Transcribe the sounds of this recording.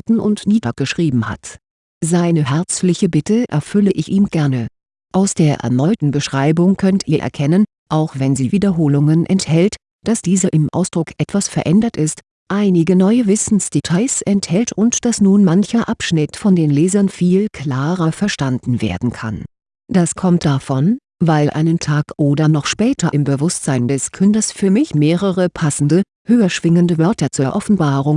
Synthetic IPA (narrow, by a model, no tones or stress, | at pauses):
tn̩ʔʊ̰ntniːtɐk̚ɡ̥əʃʁ̥iːbm̩ha̰t | zaɪnəɦɛɐt͡slɪçəbɪtəʔɛ̰ɐfʏləʔɪçʔiːmɡ̥ɛɐnə | ʔaʊsd̥eːɐʔɛ̰ɐnɔʏtn̩bəʃʁ̥aɪbʊŋkʰœntʔiːɐʔɛ̰ɐkʰɛnən | ʔaʊxv̥ɛnziːviːdɐɦoːlʊŋənʔɛ̰nthɛlt | d̥asd̥iːzɐʔɪmʔa̰ʊsd̥ʁʊkʰʔɛtv̥asfɛɐʔɛndɐtɪst | ʔaɪnɪɡənɔʏəvɪsn̩sd̥etʰaɪsʔɛnthɛltʊntd̥asnuːnmançɐʔapʃnɪtfɔndeːnlɛːzɐnfiːlkʰl̥aːʁɐfɛɐʃtandn̩vḛːɐdn̩kʰa̰n | d̥askʰɔmtd̥afɔn | vaɪlʔa̰ɪnəntʰaːkʔoːdɐnɔχʃpɛːtʰɐʔɪmbəvʊstz̥aɪndɛskʰʏndɐsfyːɐmɪçmeːʁəʁəpʰasn̩də | høːɐʃv̥ɪŋəndəvœɐtɐt͡suːɐʔɔfn̩baːʁʊŋ